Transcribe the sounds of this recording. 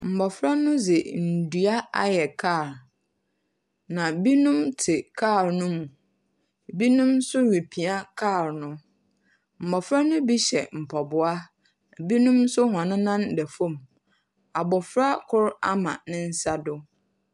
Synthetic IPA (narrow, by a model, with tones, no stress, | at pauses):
m̩˨bɔ˨fɾa˦nʊ̃˦zɪ˨n̩˨du˨a˦a̰˦jɛ˨kʰa˦˨ɾ | nã˨bi˦nũ˦mtʰɪ˨kʰa˦˨ɾnʊ̃˦mũ˨ | bi˦nũ˦msʊ˦ɥi˨pʰi˨a˦kʰaː˦˨ɾnʊ̃˦ | m̩˨bɔ˨fɾa˦nʊ̃˦bi˦ɕɛ̰˨m̩˨pʰɔ˨bʊ˨a˦˨ | bi˦nũ˦msʊ˦ɦɔ̃˨nɪ̃˦nã˦ndɛ˨fõ˦m | a˨bɔ˨fɾa˦kʰʊ˦ɾa̰˦mã̰˨nɪ̃˦n̩˦sa˦dʊ˦